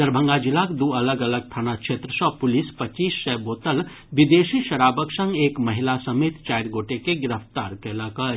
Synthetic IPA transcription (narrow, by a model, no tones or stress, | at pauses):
d̪əɾbʱə̃ŋɡad͡ʒilakd̪uɐləɡɐləɡ̚t̪ʰaːnakt͡ʃʃʰeːt̪ɾəsɔpʊlispɐt͡ʃiːsːɛboːt̪əl | bid̪eːsiʃɐɾaːbəksə̃ŋɡeːkmɐɦilasəmeːt̪t͡ʃajɾɡoːʈekeɡɪɾəpt̪aːɾkɛlakə